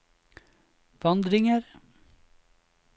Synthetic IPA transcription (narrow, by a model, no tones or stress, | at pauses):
ʋɑnd̪ɾɪŋəɾ